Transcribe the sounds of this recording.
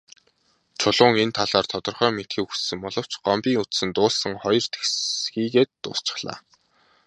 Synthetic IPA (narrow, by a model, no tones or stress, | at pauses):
t͡ɕʰʊɮʊːŋent̪ʰaɮaːrt̪ʰɔt̪ɞ̆rχœːmet̪xiːkussɘ̆ŋpɔɮɞ̆w̥t͡ɕɢ̥ɔmpiːŋut͡s̪sɘ̆nt̪ʊːɮsə̆ŋχɔjɞ̆r̥t̪ʰe̥xsxiːɣeːt̪ːʊ̰ːst͡ɕɪ̥̆χɮa̰ː